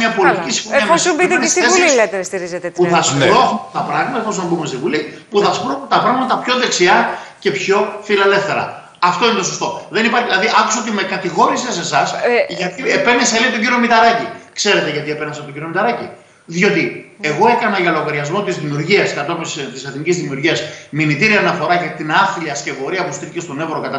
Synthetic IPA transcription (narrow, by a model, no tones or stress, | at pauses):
mɲɐpo̞lit̪icisi̥oɐmessbit̪neseuilet̪est̪iɾizet̪euθɐspɾoxt̪ɐpɾɐɣmɐt̪ɐposoɐbumsivulipuθɐspɾot̪ɐpɾɐɣmɐt̪ɐpço̞ðe̞ksiɐce̞pço̞filele̞fθe̞ɾɐ̰ | ɐft̪oinet̪osost̪o̞ðe̞nipɐɾçlɐðiʔɐku̥sot̪imekɐt̪iɣo̞ɾisese̞sɐsʝɐt̪iepe̞neselit̪o̞ɲɟiɾio̞mit̪ɐɾɐcikse̞ɾe̞t̪eʝɐt̪iepenɐsɐt̪oɟiɾio̞mit̪ɐɾɐci | ðio̞t̪ie̞ɣo̞e̞kɐnɐʝɐlo̞ɣɐɾiɐzmo̞t̪izðimiuɾʝiɐskɐt̪opst̪ise̞θnicizðimiuɾʝiɐsminit̪iɾiɐnɐfo̞ɾɐʝɐt̪inɐθiliɐsce̞vo̞ɾiɐpust̪iθice̞st̪o̞ne̞vɾokɐt̪ɐ